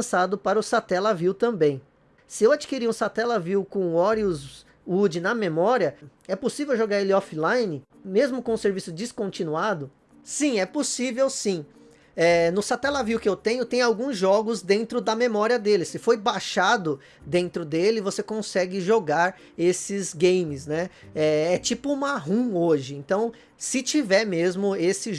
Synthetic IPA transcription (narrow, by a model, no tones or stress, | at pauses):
sad̪ʊpaɾɐʊsat̪ɛlaviwt̪ɐ̃mbẽj̃ | sɪewad͡ʒikiɾiũsat̪ɛlɐviwkõɔɾiuz | ud͡ʒɪnɐmemɔɾiɐ | ɛposivewʒoɡaɾelɪɔflajnɪ | mezmʊkõũseɾvisʊd͡ʒiskõnt͡ʃinuad̪ʊ | sĩɛposivewsĩ | ɛnʊsat̪ɛlaviwkɪewt̪ẽɲ̃ʊt̪ẽj̃ʊawɡũzʒɔɡʊzd̪ẽnt̪ɾʊd̪ɐmemɔɾiɐd̪elɪsɪfojbaʃad̪ʊ | d̪ẽnt̪ɾʊd̪elɪvosekõsɛɡɪʒoɡaɾ | esɪzɡẽjmɪznɛ | ɛɛt͡ʃipʊmaɦũoʒɪẽnt̪ɐ̃w̃ | sɪt͡ʃivɛɾmezmʊesɪ